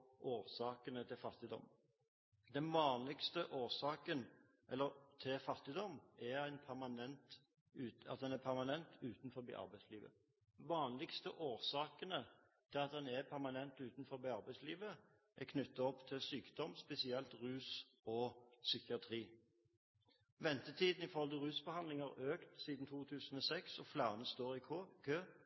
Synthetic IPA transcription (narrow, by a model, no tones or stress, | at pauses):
ʔoːɾsɑːkənət̪ʰɪlfɑt̪ːɪd̪ɔ̰m | d̪ɛnʋɑːnlɪkst̪əʔoːsɑːkən | ʔɛlːəɾt̪ʰɪlfɑt̪ːɪd̪ɔmɛæɪnpʰæɾmɑnɛnt̪ | ʉːɑ̰t̪̚d̪ɛnæɾpʰæɾmɑnɛnt̪ʉːt̪n̩fɔɾbḭːʔɑ̰ɾbæɪsliːʋə̰ | ʋɑːnlɪkst̪əʔoːɾsɑːkənə | t̪ʰɪlɑt̪̚d̪ɛnɛɾpʰæʁmɑnɛnt̪ʉːt̪nfɔɾbiːɑɾʁbæɪsliːʋə | ʔɛkʰnʏt̪ːɑɔpːt̪ʰɪlsyːkd̪̥ɔmspɛsɪɛlt̪ʁʉːs | ɔsʏkɪɑt̪ʰʁiː | ʋɛnt̪ət̪ʰiːd̪n̩ɪfɔʁɔld̪əʁʉːsbəhɑnd̪lɪŋəɾøːkt̪siːd̪n̩t̪ʰuːt̪ʰʉːsən̩ɔsɛksɔflæːʁənəst̪oːɾɪkʰkʰøː